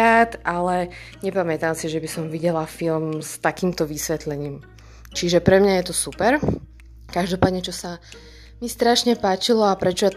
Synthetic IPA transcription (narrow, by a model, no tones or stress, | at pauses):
aːt̪ʔalɛɲɛpamɛt̪amsiʒɛbisɔmʋiɟɛlafilmst̪akiːmt̪ɔʋisʋɛt̪lɛɲiːm | t͡ʃiʒɛpɾɛmɲajɛt̪ɔsupɛɾ | kaʒd̪ɔpaːd̪ɲɛt͡ʃɔsa | mist̪ɾaʃɲɛpaːt͡ʃilɔapɾɛt͡ʃɔja